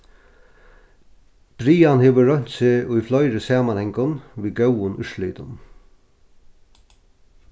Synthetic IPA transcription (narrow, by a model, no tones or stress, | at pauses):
b̥ɾiːanheːʋəɾœɲ̥t̪sɪʔʊjflɔjɾəsaːmanhɛŋkʊnʋiːɡœwʊnʏʃliːt̪ʊn